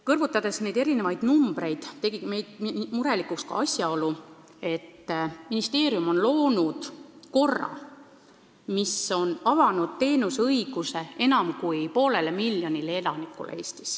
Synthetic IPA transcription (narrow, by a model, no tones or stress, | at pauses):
kɤrvut̪ːˑɑd̪̥e̞sne̞jd̪e̞ɾine̞vɑjd̪̥numb̥ɾe̞jd̪̥t̪ːe̞ɡime̞jd̪̥muɾe̞likˑukskɑ̰ɑsʲjɑo̞lu | e̞t̪ːminist̪e̞ːɾjumo̞nlo̞ːnud̪̥ko̞rːɑ̰ | miso̞nɑvɑnud̪̥̚t̪e̞ːnusɤjɡ̥use̞e̞nɑmkujpo̞ːle̞le̞milːjo̞nilee̞lɑnikːˑṵlḛe̞ːst̪i̥s